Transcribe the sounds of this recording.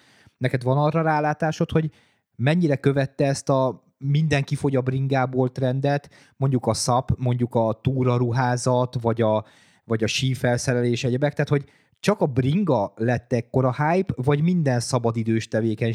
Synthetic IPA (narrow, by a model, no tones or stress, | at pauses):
nɛkɛd̪vɒnɒrːɒɾaːlaːt̪aːʃot̪ho̞ɟ | mɛɲːiɾɛkøvɛt̪ːɛɛst̪ɒ | mind̪ɛŋkifo̞ɟɒbɾiŋɡaːboːlt̪rɛnd̪ɛt̪ | mo̞ɲɟukɒsɒpmo̞ɲɟukɒt̪uːɾɒɾuɦaːzɒt̪vɒɟɒ | vɒɟɒʃiːfɛlsɛɾɛleːʃɛɟɛbɛk̚t̪aːt̪ho̞ɟ | t͡ʃɒkɒbriŋɡɒlɛt̪ːɛkkːo̞ɾɒhaːjpvɒɟmind̪ɛnsɒbɒd̪id̪øːʃt̪ɛveːkɛɲ